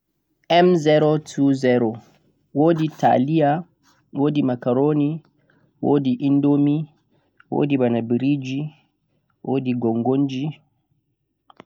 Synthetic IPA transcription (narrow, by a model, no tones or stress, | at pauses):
ʔɛmzɛɾotʰuzɛɾo | woditʰa̰lija | woːdimakaɾoni | woːdiʔindomi | wo̰dibanabiɾid͡ʒi | wo̰diɡɔŋɡond͡ʒi